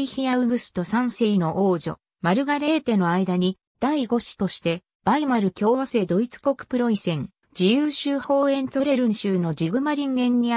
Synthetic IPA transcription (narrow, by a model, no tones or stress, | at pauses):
içijaɯ̟ɡɯ̟sɨ̥t̪o̞sãɰ̃se̞ino̞ʔoːʑo̞̰ | maɾɯ̟ɡaɾe̞ːt̪e̞no̞aid̪aɲ̟i | d̪̥aiɡo̞ɕi̥t̪o̞ɕi̥t̪e̞ | b̥aimaɾɯ̟kʲo̞ːβase̞ːd̪o̞it͡sɨ̥ko̞kɯ̟̥pɯ̟ɾo̞isẽ̞ŋ | d͡ʑijɯːɕɨːho̞ːẽ̞nt͡so̞ɾe̞ɾɯ̟̃ɰ̃ɕɨːno̞d͡ʑiɡɯ̟maɾʲĩŋɡẽ̞ɲ̟ːi